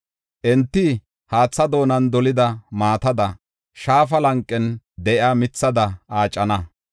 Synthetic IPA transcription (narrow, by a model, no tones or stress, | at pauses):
ʔɛnt̪ːɪ | haːt͡sːɐd̪o̞ːnɐnd̪ɔlɪd̪ɐmaːt̪ɐd̪ɐ | ʃaːfɐlɐŋkʼːɛn | d̪ɛʔjaːmɪt͡sːɐd̪ɐʔaːt͡ʃʼːɐnɐ